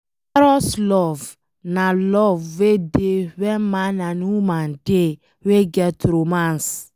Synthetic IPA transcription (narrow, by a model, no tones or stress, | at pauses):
ɛɾɔslɔv | nalɔvwedewɛ̃mãnanuumãnde | weɡɛtɾomãns